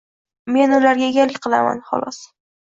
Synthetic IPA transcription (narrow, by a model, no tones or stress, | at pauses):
me̞nʊlaɾɡʲaeɡʲalɪkʲqʰɨlˠa̰ma̰nχɒ̰lˠɒs